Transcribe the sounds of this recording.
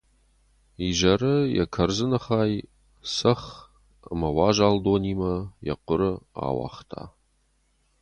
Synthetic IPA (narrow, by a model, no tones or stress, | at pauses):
iʒɐrɨjɛ̰kʰɐrzɨnɐχaːj | sɐχ | əmɐwaːʒaːldoːniːmɐjɛ̰qʷʊɾɨa̰ːwa̰ːχtʰa̰ː